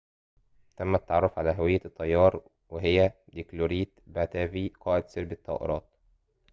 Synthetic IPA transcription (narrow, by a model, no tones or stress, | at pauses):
t̪æmːæt̪ːɑʕɑrˤːofʕalæːɦæwɪjːæt̪ˤːɑjːɑːɾˤ | weɦɪjːæd̪ikloɾiːt̪bæt̪æːbiːqɑːʔɪd̪seɾbɪt̪ːɑ̰ʔḛɾˤɑ̰ːt̪̚